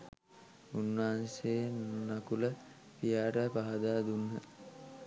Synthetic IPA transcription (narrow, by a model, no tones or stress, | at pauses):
unːaɦanseːnakulə | pijaːɾəpaɦad̪aːd̪unːə